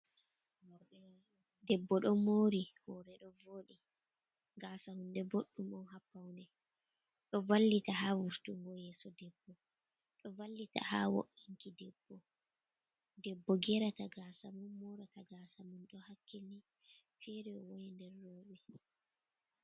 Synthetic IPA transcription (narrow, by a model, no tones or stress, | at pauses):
dɛbːɔɗɔmoɾihɔɾɛɗɔvoːɗi | ɡaːsahundɛboɗːumɔnhapːawndɛ | ɗɔvalːitahavuɾtuŋɡɔjɛːsɔdɛbːɔ | ɗɔvalːita̰ha̰wo̰ʔiŋkidɛbːɔ | dɛbːɔɡɛɾataɡaːsamumːɔɾataɡaːsamunɗɔhakʰːeli | fɛɾɛɔwojindɛrːɔːɓɛ